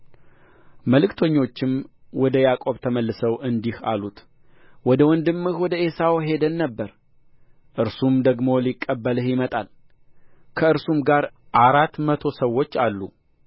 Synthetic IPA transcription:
məlɨkt̪ʰoɲːo̞t͡ʃːɪm | wɔd̪əjakʼo̞βt̪ʰəməlːɨsəwʔɨnd̪iha̰lut̪ | wɔd̪əwɔnd̪ɨmːɨhwɔd̪əe̞sawɦe̞d̪ənːəbːəɾ | ʔɨɾsumd̪əɡmo̞likʼːəbːəlɨhjɪmət̪ʼal | kʰəɨɾsumɡaɾ | ʔaɾat̪ːmət̪ʰo̞səwːo̞t͡ʃːalːu

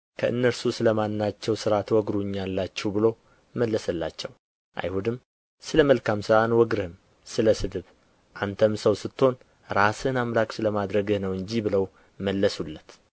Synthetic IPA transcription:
kʰəʔɨ̰nːəɾsusɨləmanːat͡ʃːɛwsɨɾat̪wɔɡɾuɲːalːat͡ʃːɛwbɨlo̞ | məlːəsəlːa̰t͡ʃːɛw | ʔa̰jhud̪ɨm | sɨləməlkʰamsɨɾanwɔɡɾhɨm | sɨləsɨd̪ɨβ | ʔant̪ʰəmsəwsɨt̪ʰːo̞n | ɾasɨnamlaksɨləmad̪ɾəɡɨhnəwɨɲd͡ʒibɨləw | məlːəsulːət̪

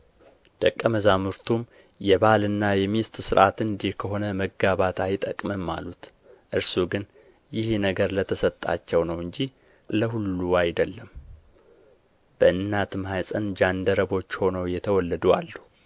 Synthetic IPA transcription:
d̪̥əkʼːəməzamɨɾt̪ʰum | jɛbalɨnːajɛmist̪ʼsɨɾʔat̪ɨnd̪ihkʰəɦo̞nəməɡaβat̪ajt̪ʼəkʼmɨmːa̰lut̪ | ʔɨɾsuɡɨn | jɪhnəɡəɾlət̪ʰəsət̪ʼːa̰t͡ʃːɛwnəwɨɲd͡ʒi | ləɦulːuajd̪əlːəm | b̥əʔɨnːat̪ʰɨmhajsʼənd͡ʒand̪əɾəβo̞t͡ʃːho̞nəwjɛt̪ʰəwɔlːəd̪ua̰lːu

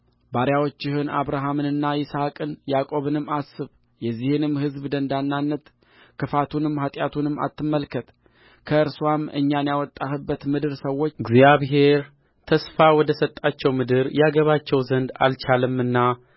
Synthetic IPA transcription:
baɾjawot͡ʃːɪhɨnaβɾaɦamɨnɨnːajɪsakʼɨnjakʼo̞βɨnɨmːasɨβ | jɛzːihɨnɨmhɨzbd̪ənd̪anːanːət̪ | kʰɨfat̪ʰunɨmːhat̪ʼjat̪ʰunɨmːa̰t̪ʰːɨmːəlkʰət̪ | kʰəɨɾsuwamʔɨ̰ɲːanjawɔt̪ʼːahɨbːət̪mɨd̪ɨɾsəwːo̞t͡ʃːɨɡzjaβɦe̞ɾ | t̪ʰəsfawɔd̪əsət̪ʼːat͡ʃːɛwmɨd̪ɨɾjaɡəβat͡ʃːɛwzənd̪a̰lt͡ʃʰalɨmɨnːa

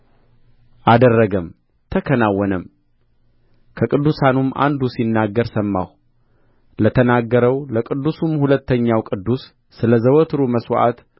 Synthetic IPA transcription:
ʔad̪ərːəɡəm | t̪ʰəkʰənawːɔnəm | kʰəkʼɨd̪ːusanumʔa̰nd̪usinːaɡːəɾsəmːa̰h | lət̪ʰənaɡːəɾəwləkʼɨd̪ːusumhulət̪ʰːəɲːawkʼɨd̪ːusː | ɨləzəwɔt̪ʰɾuməswʔa̰t̪

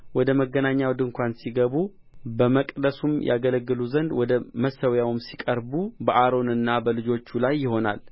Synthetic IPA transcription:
wɔd̪əməɡːənaɲːawd̪ɨŋkʷansiɡəβu | bəməkʼd̪əsumjʔa̰ɡələɡːɨluzənd̪wɔd̪əməsəwjawmsikʼəɾbubəʔaɾo̞nɨnːabəlɨd͡ʒo̞t͡ʃːulajːɪho̞na̰l

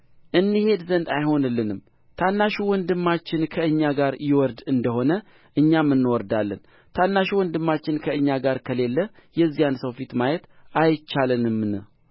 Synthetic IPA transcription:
ʔɨnːɨhe̞d̪zənd̪ajho̞nɨlːɨnɨm | t̪ʰanːaʃuwɔnd̪ɨmːat͡ʃːɪnkʰəɨɲːaɡaɾjɪwɔɾd̪ɨnd̪əho̞nə | ʔɨɲːamːɨnːwɔɾd̪alːən | t̪ʰanːaʃuwɔnd̪ɨmːat͡ʃːɪnkʰəɨɲːaɡaɾkʰəle̞lːə | jɛzːijansəwfit̪majɛt̪ajt͡ʃːalɨnɨmːnɨ

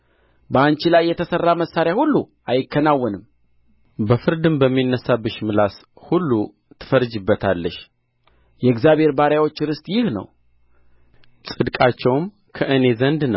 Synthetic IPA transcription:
bəant͡ʃilajːɛt̪ʰəsərːaməsːaɾjahulːu | ajɪkːənawːɔnɨm | bəfɨɾd̪ɨmbəmːinːəsabɨʃmɨlas | hulːu | t̪ʰɨ̥fəɾd͡ʒɨbːət̪ʰalːəʃ | jɛɡzjaβhe̞ɾbaɾjawo̞t͡ʃːɾɨst̪ʼjɪhnə̰w | sʼɨd̪kʼat͡ʃːɛwm | kʰəʔɨne̞zənd̪nəw

